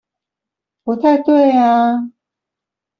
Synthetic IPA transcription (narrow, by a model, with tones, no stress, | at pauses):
pu˧˥t̪ʰa˥˧ɪt̪we˥˩ɪa˧